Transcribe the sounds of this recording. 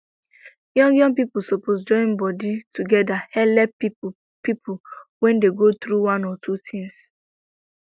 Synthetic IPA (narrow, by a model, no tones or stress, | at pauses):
jɔ̃ŋɡjɔ̃ŋɡpipʊsoposd͡ʒɔ̃ɪ̃nbɔditʰuɡɛdahɛlɛp | pipʰʊwɛ̃ndeɡot̪ɾuwãnɔtʰutʰĩŋs